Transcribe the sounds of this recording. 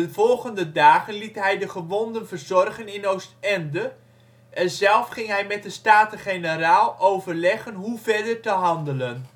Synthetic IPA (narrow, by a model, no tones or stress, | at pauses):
ənvɔlˠχəndədaːχənlitɦɛjdəχəʋɔndənvərzɔrχənɪnowstɛndə | ʔɛnzɛlˠfχɪŋɦɛjmɛt̚dəstaːtəχenəɾaːlˠowvərlɛχənɦuvɛɹdəɹtəɦɑndələn